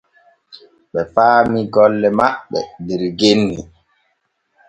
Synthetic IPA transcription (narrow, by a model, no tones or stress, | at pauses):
ɓɛpaːmiɡɔlːɛmaɓːɛdeɾɡenːi